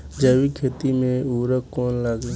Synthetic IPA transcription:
d͡ʒəʋikʰeːt̪imẽuːɾəkkɔːnlaɡe

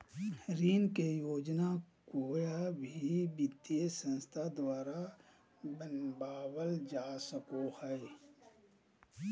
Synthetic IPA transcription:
ɾiːnkejoːd͡ʒnakoːjabʱibɪt̪jesə̃nst̪ʰad̪waːɾa | bənbaːwəld͡ʒaːsəkohəe

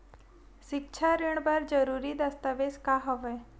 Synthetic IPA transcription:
ʃɪkt͡ʃʰaɾeɳ̃bəɾd͡ʒəɾuːɾid̪əst̪aʋeskaɦɔʋeː

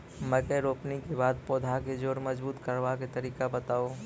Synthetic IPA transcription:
mɛ̃kɛɾoːpnikebaːd̪̚poːd̪ʱaked͡ʒoːɾmɐzbuːt̪kɐɾʋaket̪ɐɾiːkabɐt̪aːoː

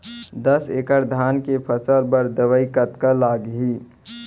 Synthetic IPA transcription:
d̪əseːkəɾd̪ʱaːnkepʰəsəlbəɾd̪əʋəikət̪kalaːɡɦiː

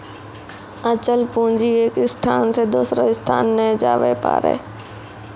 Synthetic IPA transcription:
ət͡ɕəlpʊ̃ːɲd͡ʑieːkɪst̪ʰaːnsed̪oːsɾoɪst̪ʰaːnːɛd͡ʒa̰ːʋḛpa̰ːɾḛː

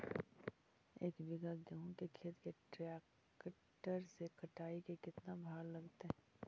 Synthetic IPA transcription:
eːkbɪɡad̪eɦõkekʰeːt̪keʈɾɛːk | k | ʈəɾsekɐʈaːikekɪt̪nabʱaːɾlɐɡt̪eɦ

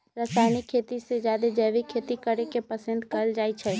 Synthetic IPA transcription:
ɾəsaːɪnikʰːeːt̪ised͡ʒjaːd̪ed͡ʒɛːʋikʰeːt̪ikəɾekepəsə̃nd̪kɐld͡ʒaːit͡ʃʰɛ

